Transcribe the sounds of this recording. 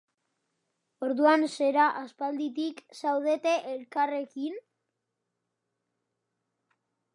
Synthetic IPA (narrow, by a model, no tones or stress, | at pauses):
o̞ɾðuanse̞ɾaʔaspald̪it̪iksawð̞e̞t̪e̞ʔelkare̞kin